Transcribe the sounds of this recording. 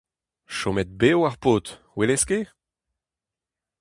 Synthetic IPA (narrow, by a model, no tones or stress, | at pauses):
ʃomɛt̪̚beoaʁpoːt̪ | weleske